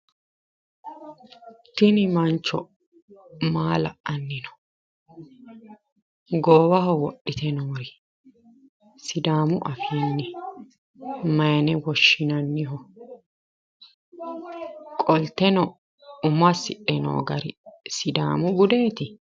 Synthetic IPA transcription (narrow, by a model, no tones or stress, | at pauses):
t̪ɪnɪmɐnt͡ʃːɔ̰ | maːlɐʔɐnːɪnɔ̥ | ɡoːwɐhɔwɔɗːɪt̪ɛnoːɾɪ | sɪd̪aːmʊʔɐfiːnːɪ | mɐjɐnɛwɔʃːɪnɐnːɪɦɔ | kʼɔlt̪ɛnɔ | ʊmɐsɪʔɛno̰ːɡɐɾɪsɪd̪a̰ːmʊɡʊd̪eːt̪ɪ